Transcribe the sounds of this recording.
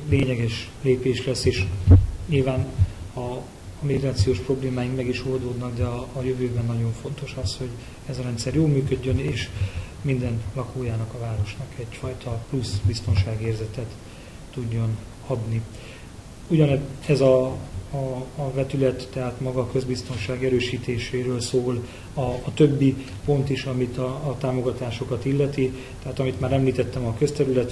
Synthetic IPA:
leːɲɛɡɛʃleːpeːʃlɛsːeːʃɲilvaːnɒ | miɡraːt̪sioːʃpro̞bleːmaːjiŋkmɛɡiʃord̪oːd̪nɒɡd̪ɛɒːjøvøːbɛnːɒɟo̞ɱfo̞nt̪o̞ʃɒsho̞ɟ | ɛzɒɾɛnt̪sɛrjoːlmyːkø̞ɟːøneːʃ | mind̪ɛnlɒkoːjaːnɒkɒvaːɾo̞ʃnɒkɛɟfɒjt̪ɒplusbist̪o̞nʃaːɡieːrzɛt̪ɛt̪ː | uɟːo̞n | ɒd̪ni | uɟɒnɛɛzɒ | vɛt̪ylɛt̪ːɛɦaːt̪mɒɡɒkø̞zbist̪o̞nʃaːɡɛɾøːʃiːt̪eːʃeːɾøːlsoːl | ɒːt̪ø̞bːi | po̞nt̪iʃɒmit̪ɒːt̪aːmo̞ɡɒt̪aːʃo̞kɒt̪ilːɛt̪i | t̪ɛɦaːt̪ɒmit̪maːɾɛmliːt̪ɛt̪ːɛmɒkøst̪ɛɾylɛt̪

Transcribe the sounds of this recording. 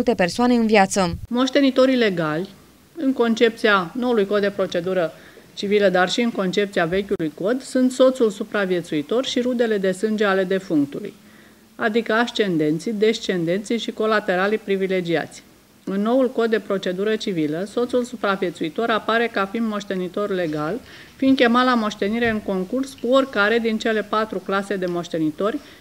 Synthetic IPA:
ult̪e̞pe̞rsoane̞ɨnvjat̪səmo̞ʃt̪e̞nit̪o̞ɾile̞ɡalʲ | ɨŋko̞nt͡ʃe̞p̚t̪sianoulujkod̪̚d̪e̞pɾo̞t͡ʃe̞d̪uɾə | t͡ʃiviləd̪arʃiɨnko̞nt͡ʃe̞p̚t̪siave̞kʲulujko̞d̪sunt̪so̞t̪sulsupɾavije̞t̪suit̪o̞rʃiɾud̪e̞le̞d̪e̞sɨnd͡ʒe̞ale̞d̪e̞fuŋk̚t̪ulṵj | ad̪ikəaʃt͡ʃe̞nd̪e̞nt̪sid̪e̞ʃt͡ʃe̞nd̪e̞nt̪siʃiko̞lat̪e̞ɾalipɾivile̞d͡ʒia̰t̪sʲ | ɨnːo̞ulko̞d̪̚ːe̞pɾo̞t͡ʃe̞d̪uɾət͡ʃiviləso̞t̪sulsupɾavje̞t̪suit̪o̞ɾapaɾe̞kafind̪mo̞ʃt̪e̞nit̪o̞rle̞ɡal | find̪kʲe̞mat̪lamo̞ʃt̪e̞niɾe̞ɨŋko̞ŋkurskuo̞rkaɾe̞d̪int͡ʃe̞le̞pat̪ɾuklase̞d̪e̞mo̞ʃt̪e̞nit̪o̞rʲ

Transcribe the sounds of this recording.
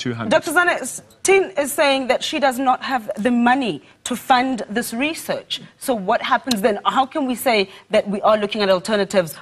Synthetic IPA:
tʰʉdɔk̚tə˞zanəs | tʰĩnɪz̥seɪɪ̃ŋðɨtʃidʌznət̚həvðɨmʌni | tʰəfʌ̃nðɪsɹisɜ˞t͡ʃsoʊwʌt̚hæpə̃n̩zðɨ̃nhaʊkʰɨ̃nwiseɪðɨt̚wiʔə˞lʊkɪ̃ŋɨɾɔl̩ˠtʰɜ˞nɨɾɪvz̥

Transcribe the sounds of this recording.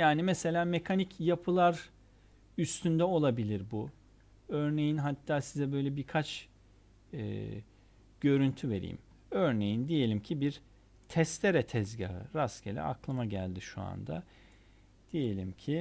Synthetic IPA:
jaːnimese̞lʲaːmekʰanicjapʰɯlˠaɾ | yst̪ʰynd̪ɛo̞lˠabilʲiɾbu | øɾne̞jinɦat̪ʰːaːsizɛbø̞jlʲɛbiɾkʰat͡ʃ | ɟ̥ø̞ɾynt̪ʰyve̞ɾḭːḭm | øɾnejind̪ije̞lʲimcʰibiɾ | t̪ʰɛst̪leɾɛt̪ʰɛzɟaɯ̰ɾascelʲɛ̰a̰klˠɯmaɟælʲd̪iʃua̰nd̪a̰ | d̪̥ije̞lʲimcʰi

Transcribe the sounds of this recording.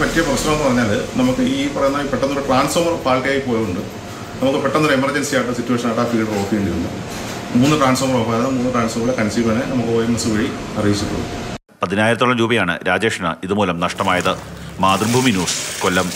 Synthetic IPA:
ɐtːɐjɐprɐɕnɐmenːɨpɐrɐɲːaːlnɐmukːɨiːpɐrɐjunːaipeʈːɐnːɐoɾuʈraːnsomɐrpaːɭkeːjipːoːjɐuɳɖɨ | nɐmukːɨpeʈːɐnːɐouɾɨemɐrd͡ʑensijaːjʈːɨsitːueːʂɐnaːjʈːaːfiːlroːfijuɳɖiɾṵnːɐ̰ | muːnːɨʈraːnso̞ːmɐropaːjɐnːɐmuːnːɨʈraːnsoːmɐrilekɐnɐsiːbɐnenɐmukːɨoːjimɐsːɨʋɐɻiɐrɐʋit͡ɕːuʈːɐ̰ðṵ | pɐðinaːjɾɐt̪ːoɭːɐmɾuːbɐjaːɳɨ̰ɾaːd͡ʑeːʂnɐ̰iðɨmuːlɐmnɐʂʈɐmaːjɐðɨ | maːd̪rbʱuminuːskolːɐm

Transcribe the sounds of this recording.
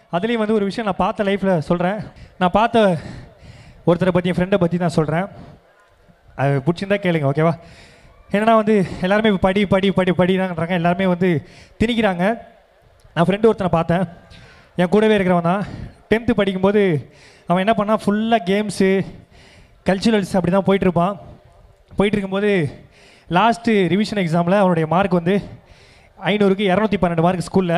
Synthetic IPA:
ɐðɪlɐjʊ̃ʋɐnd̪ɯɔɾɯʋɪʂɐjɐ̃nãːpaːɾt̪ːɐlɐɪfɪlɐsɔlɾẽːnãːpaːɾt̪ːɐ | ɔɾɯt̪ːɐnɐpːɐt̪ːɪjʊ̃fɪɾɛɳɖɐpɐt̪ːit̪ãːsɔlɾẽː | ɐðɯpʊɽɪt͡ʃːɪnd̪ãːkeːɭɯŋɡɐoːkeːʋaː | ɛnːɐnːaːʋɐnd̪ɯɛlːaːɾɯmeːpɐɽipɐɽipɐɽipɐɽɪɾãːkɐɳɾaːŋɡɐɛlːaːɾɯmeːʋɐnd̪ɯt̪ɪnɪk̬ʲːɪɾaːŋɡɐ | nãːfɾɛɳɖɯɔɾɯt̪ːɐnɐpaːɾt̪ẽː | ẽːkuːɽɐʋeːɪɾɯkːɪɾɐʋɐnd̪ãːʈɛnt̪ɯpɐɽɪkːɯmpoːðɯ | ɐʋɛ̃ɛnːɐpɐɳɐnaːfʊɭːɐɡeːms | kɐlt͡ʃʊɾɐlsɐpːɐɽɪt̪ãːpoːjɪʈːɪɾɯpːãː | poːjɪʈːɪɾɯkːɯmpoːðɯ | laːsʈɯɾɪʋɪʂɐnɛksaːmlɐʋɐnɯɽɐjɐmaːɾkɯʋɐnd̪ɯ | ɐɪnuːɾɯk̬ːɯɛɾɐnuːt̪ːipɐnːɐɳɖɯmaːɾkːɯskuːllɐ

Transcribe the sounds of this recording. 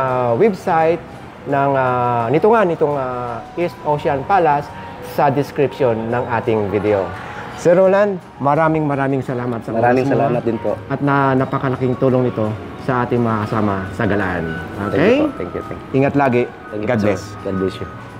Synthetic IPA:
wɛbsajt̪̚ | nɐŋanɪt̪oŋanɪt̪oŋaʔist̪ʔoʃɐnpalasː | ɐd̪ɪskɾɪpʃonːɐŋʔaːt̪ɪŋvid̪ɛo | sɛɾoːland̪̚ | mɐɾaːmɪŋmɐɾaːmɪŋsɐlaːmɐt̪sɐmɐɾaːmɪŋɐlaːmɐt̪̚d̪ɪnpoʔɐt̪̚nɐnɐpɐkɐlɐkɪŋt̪uːloŋnɪt̪o̞ | sɐʔaːt̪ɪŋmɐŋakɐsaːmɐsɐɡɐla̰ʔa̰nʔokɛjt̪ɛŋkjṵt̪ɛ̰ŋkʔiŋɐt̪laːɡɪ | ɛŋɡad̪lɛs | ɡad̪liʃit

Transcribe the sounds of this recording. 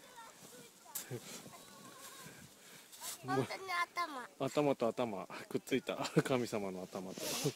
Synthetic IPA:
at̪amaat̪amat̪o̞at̪amakɯ̟tt͡sɨit̪akamʲisamanoat̪amat̪o

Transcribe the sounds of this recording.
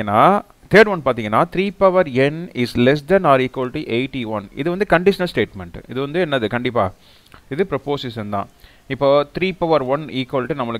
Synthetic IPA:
ɐnːaː | t̪ʰeːɖʋɐnpaːɾt̪ĩːŋɡɐnːaːt̪ʰɾiːpɐʋɐɾɛnɪslɛs̬d̪ɐnaːɾiːkʋɐlɪʈiʔeɪʈiʋɐnɪ̰ðɯʋɐnd̪ɯkɐɳɖɪʂɐnɐsʈeːʈmɛɳʈɪðɯʋɐnd̪ɯɛnːɐðɯkɐɳɖɪpːaː | ɪðɯpɾɐpoːsɪsɐnd̪ã̰ː | ɪpːoːt̪ɾiːpɐʋɐɾʋɐniːkɐlʈinɐmːɐɭɯ

